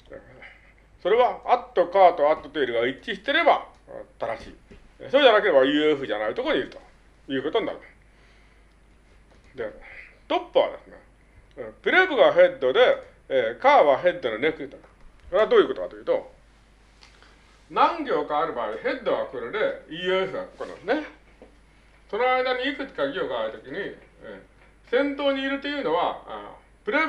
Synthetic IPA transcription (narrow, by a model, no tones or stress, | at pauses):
so̞ɾe̞βaat̪ːo̞kaːt̪o̞at̪ːo̞t̪eːɾɯ̟ɡait͡ɕːiɕi̥t̪e̞ɾe̞bat̪aɾaɕḭː | soːd͡ʑanake̞ɾe̞ajɯ̟ːeɸɯ̟ʑanait̪o̞koɲiɾɯ̟t̪o̥ | jɯ̟ːko̞t̪oɲina̰ɾɯ̟mas | d̪e̞ | t̪o̞pːɯ̟βa̰d̪esɨne̞̰ | pɯ̟ɾebɯ̟ɡaɦe̞d̪ːo̞d̪e̞ː | kaːβaɦe̞d̪ːononekɯt̪okḁ | koɾead̪oːjɯ̟ko̞t̪okat̪ojiɯ̟t̪o̞̰ | nãŋɡʲo̞ːkaːɾɯ̟baːiɦe̞d̪ːoɡakɯɾod̪e̞iesɯɡakokona̰sne | sonoaid̪aɲ̟iikɯ̟t͡ɕi̥kaɡʲo̞ːɡaːɾɯ̟t̪o̞kʲiɲ̟i | sẽ̞nt̪o̞ːɲ̟iːɾɯ̟t̪ːe̞jɯ̟ːno̞βa̰ | pɯ̟ɾe